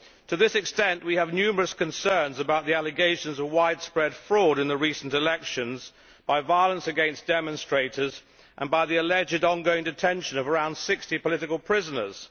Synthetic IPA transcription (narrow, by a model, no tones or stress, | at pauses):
tʰɨðɪsɨkstɛ̃nʔwiɨvnjʉmə˞əskʰɨ̃nsɜ̃˞nzəbaʊt̪̚ðiælˠɨɡeɪʃɨ̃nzʌvwaɪd̥spɹɛd̥fɹɔɾɨ̃nðəɹisn̩tɨlɛkʃɨ̃nz | b̥aɪvaɪəlˠə̃nsɨɡɛ̃nsd̥ɛmə̃nstɹ̥eɪɾə˞z | ʔə̃nbaɪðiɨlɛd͡ʒɨɾə̃nɡoʊɪ̃ŋdɨtʰɛ̃nʃɨ̃nʌvə˞ãʊ̃nd̥sɪkstipəlɪɾɨkəl̩ˠpʰɹ̥ɪzənə̰˞z̥